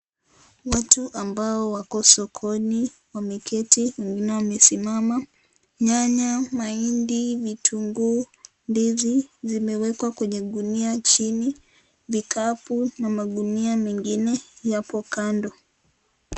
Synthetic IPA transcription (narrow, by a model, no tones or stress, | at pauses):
watuʔambaɔwakɔsɔkʰɔni | wamɛkʰɛtiwɛŋɡinɛwamɛsimama | ɲaɲamaindivitʰuŋɡu | ndizizimɛwɛkwakwɛɲɛɠuniat͡ʃini | vikʰapunamaɠuniamɛŋɡinɛjapɔkandɔ